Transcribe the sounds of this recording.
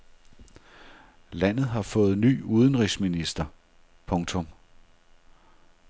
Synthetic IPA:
læn̰ð̩ˠɦɑ̈fɔ̽ːð̞̩ˠny̰ːuð̞ˠn̩ʁisminisd̥ɐ | pʰɔ̽ŋt͡sʰɔ̽m

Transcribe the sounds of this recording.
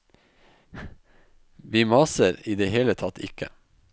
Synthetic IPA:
ʋiːmɑːsəɾiːd̪eːheːlət̪ʰɑt̪ʰɪ̰kʰə̰

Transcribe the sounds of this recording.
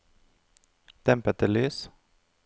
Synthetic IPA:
d̪̥ɛmpət̪əlyːs

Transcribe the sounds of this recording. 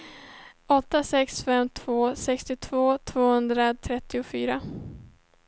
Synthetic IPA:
ɔt̪ːasɛksfɛmːt̪ʰv̥oːsɛkst̪ɪt̪ʰv̥oːt̪ʰv̥oːhɵnd̪ɾat̪ʰɾɛt̪ːɪʊfyːɾa

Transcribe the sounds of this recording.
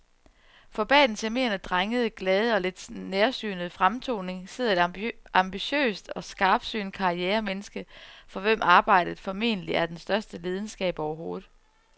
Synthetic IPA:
fɒ̽b̥ɛ̰ːd̥n̩sæme̝̰ːɐnəd̥ʁaŋəð̞̩ˠɡ̥lɛːð̞ˠəɒ̽le̝d̥neɐsy̰ːnð̩ˠfʁamt͡sʰo̝̰ːne̝ŋse̝ð̰ˠɐe̝dʔɑ̈mb̥iɕø̰ːsd̥ɒ̽sɡ̥ɑ̈ːb̥sy̰ːnkʰɑ̈ieːɐmenəsɡ̥əfɒ̽ʋem̰ʔɑ̈ːb̥ɑ̈ɪ̰d̥ð̩ˠfɒ̽me̝̰ːnəliæɐd̥ensd̥ɶɐsd̥əleːð̞ˠn̩sɡ̥ɛ̰ːb̥ɒʊɐɦo̝ːð̩ˠ

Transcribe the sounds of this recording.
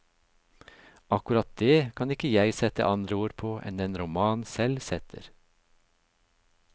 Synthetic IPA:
ɑkʉɾɑt̪̚d̪eːkʰɑnɪkəjæɪsɛt̪ə̰ʔɑnd̪ɾəoːɾpʰoːʔɛ̰nd̪ɛnɾʊmɑːnsɛlsɛt̪ʰə̰ɾ

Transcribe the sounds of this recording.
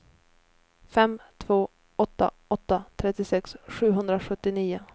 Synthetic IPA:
fɛmt̪ʰvoː | ɔt̪ːa̰ | ɔt̪ːat̪ʰɾɛt̪ːɪsɛksɧʉ̟ːɦɵnd̪ɾaɧɵt̪ːɪniːʊ

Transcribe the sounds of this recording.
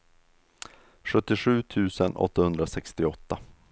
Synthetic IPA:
ɧɵt̪ːɪɧʉ̟ːt̪ʰʉ̟ːsənɔ̰t̪ːahɵnd̪ɾasɛkst̪ɪɔt̪ːa

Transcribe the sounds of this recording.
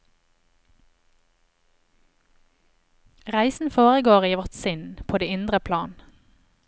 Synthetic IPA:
ʁæɪsn̩foːʁəɡoːʁiːʋɔʁt̪sɪnpʰoːd̪eːɪnd̪ʁəpʰlɑːn

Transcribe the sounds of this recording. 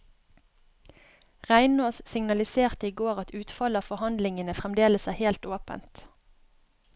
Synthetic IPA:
ʁæɪnoːssɪŋnɑlɪseːʁt̪əiːɡoːʁɑt̪ʉːt̪fɑləɑːfɔhɑnd̪lɪŋənəfʁɛmd̪eːləsæːheːlt̪oːpə̰nt̪

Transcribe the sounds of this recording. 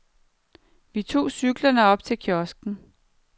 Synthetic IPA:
ʋit͡sʰo̝̰ːsyɡ̥lɐnəɒ̽b̥̚t͡sʰe̝lkʰjɒsɡ̥n̩

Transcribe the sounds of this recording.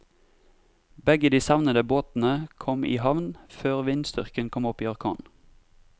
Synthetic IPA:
bɛɡəd̪iːsɑʋnəd̪əboːt̪n̩əkʰɔmʔḭːhɑʋnføːʁʋɪnst̪ʏ̰ʁkənkʰɔmɔpiːɑʁkʰɑ̰ːn

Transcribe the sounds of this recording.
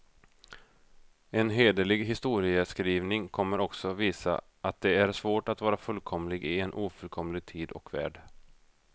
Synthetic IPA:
ɛnɦeːd̪əlɪɡɦɪst̪uːɾɪəskɾiːvnɪŋkʰɔmːəɾɔksɔviːsa̰ | ʔat̪̚d̪ɛæɾʂvoːʈat̪vɑːɾafɵlkʰɔmlɪɡɪɛnʔuːfɵlkʰɔmlɪɡ̚t̪ʰiːd̪ɔ̰kvæ̰ːɖ

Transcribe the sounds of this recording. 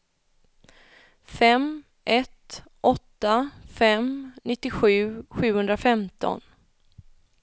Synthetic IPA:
fɛm | ʔɛt̪ʔɔt̪ːafɛmnɪt̪ːɪɧʉ̟ːɧʉ̟ːhɵnd̪ɾafɛmt̪ʰɔ̰n

